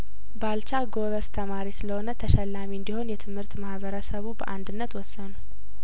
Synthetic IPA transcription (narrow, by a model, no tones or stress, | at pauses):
balt͡ʃaɡoβəst̪ʰəmaɾisɨləho̞nət̪ʰəʃɛlːamiɨnd̪iho̞njɛt̪ʰɨmhɨɾt̪mahβəɾəsəβubə̰ʔand̪ɨnːət̪wɔsːənu